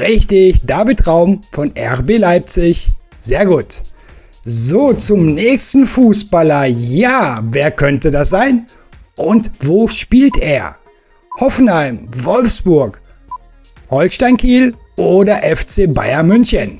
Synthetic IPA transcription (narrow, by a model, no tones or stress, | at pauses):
ʁɛçtəɪçd̥aːvɪtʁaʊmfɔnʔɛ̰ʁbeːlaɪp̚t͡sɪç | z̥eːɐɡuːt | zoːt͡sʊmnɛːçstn̩fuːsb̥alɐjaːveːɐkʰœntədasz̥aɪn | ʔʊntvoːʃpiːlteːɐ | hɔfn̩haɪmvɔlfsb̥ʊɐk | hɔlʃtaɪnkʰiːl | ʔoːdɐʔɛft͡seːba̰ɪɐmʏnçən